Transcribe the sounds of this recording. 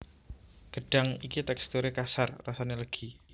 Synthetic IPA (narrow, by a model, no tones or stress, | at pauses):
ɡ̥əɖ̥aŋikit̪ɛkst̪uɾekasarːasaneləɡ̥i